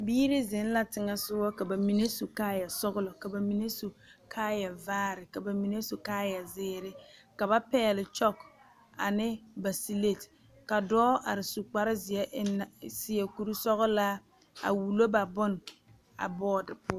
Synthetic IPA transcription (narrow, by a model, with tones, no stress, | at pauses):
biː˦ɾɪ˦zɪ˨˦n˦la˦tɪ˨ŋa˨sʊ˦wɔ˦ka˨ba˨mi˨ne˦su˨kaː˦ja˨sʊ˦ɣʊ˦lʊ˨ka˨ba˨mi˦ne˦su˨kʰaː˦ja˨vaː˦ɾɪ˨ka˨ba˨mi˨ne˦so˨kaː˦ja˨zɪː˦ɾɪ˦ka˨βa˦pɛː˦lɪ˨t͡ʃɔ˦k | a̰˨nɪ˦ba˨si˦le˦˨t | ka˨dɔː˦a˨ɾɪ˨su˨k͡pa˨ɾɪ˦zɪ˨ɛ˦ʔn˨sɪ˦ɛ˨ku˨ɾu˦sɔ˦ɣʊ˦la˦ | a̰˨wu˨lo˦ba˨bʊ˦n˨ | a̰˨bɔː˦dɪ˨pʊ˦